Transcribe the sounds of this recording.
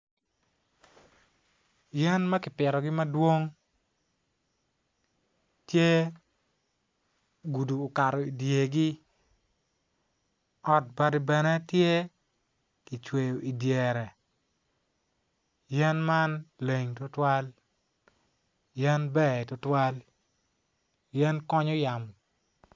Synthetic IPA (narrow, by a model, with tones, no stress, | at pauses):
jɛ˦nma˦kɪ˨pɪ˨ɾɔ˨ɡɪ˦mɐ˦dwo˦ŋ | tje˦ | ɡu˨duː˨ka˨ɾɔ˨i˨dje˨ɡi˦ | ɔ˨t̚ba˨ɾi˨bɛ˨na˦tje˦ | ki˨t͡ʃwe˨jo˨ʔi˨dje˨ɾɛ˨ | jɛ˦nma˦nle˨ŋto˦twa˦l | jɛ˦nbɛ˦˨tɔ˨twa˦l | jɛ˦nkɔ˦ɲɔ˦ja˨m